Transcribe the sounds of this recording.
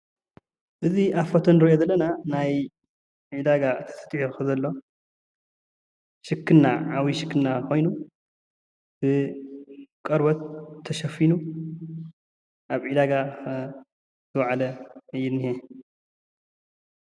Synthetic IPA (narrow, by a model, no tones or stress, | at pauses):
ʔɨziʔafot̪ʰonɨɾjozɐlːɐnanaj | ʕid̪aɡat̪ʰɐ̥sʰɐ̥t̪ʼjoxɨzɐlːo̞ | ʃɨkːɨnːaʕawiʃɨkʰːɨnnakʰo̞jnu | b̥ɨ | kʼɐɾbɐt̪ʰːɐʃɐfinu | ʔaβʕid̪aɡa | zɨwʕalɐɨjɪnːije